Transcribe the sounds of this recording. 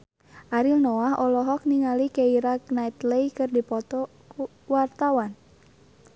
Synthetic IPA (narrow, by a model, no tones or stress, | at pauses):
ʔaɾilnɔaɦʔɔlɔɦɔk̚niŋalikeiɾak̚nait̪lejkɨrdipɔt̪ɔ | ku | wart̪awan